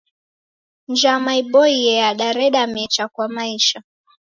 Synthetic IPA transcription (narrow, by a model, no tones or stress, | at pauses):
nd͡ʒamaiɓɔiɛjaɗaɾɛɗamɛt͡ʃakwamaiʃa